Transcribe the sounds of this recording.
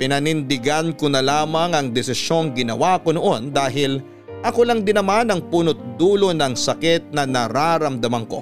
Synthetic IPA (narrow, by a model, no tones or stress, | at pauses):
pɪnɐnɪnd̪ɪɡankonɐlaːmɐŋɐŋd̪ɛsɪsjo̞ŋɡɪnɐ̰wako̞noʔo̞nd̪aːɦɪl | ʔɐko̞lɐŋd̪ɪnɐmanɐŋpuːnot̪̚d̪uːlo̞nɐŋsɐkɛt̪̚nɐnɐɾaɾɐmd̪ɐmɐŋko̞̰